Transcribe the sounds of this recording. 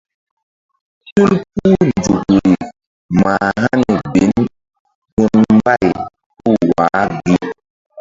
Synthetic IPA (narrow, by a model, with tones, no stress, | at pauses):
tu˦lp̚u˦n˨d͡ʒu˨ɡe˨ | ma˨ɦa˦nɛ˨be˨˦n | ɡu˦nm˦ba˦˨j | ku˦˨waː˨˦ɡi˦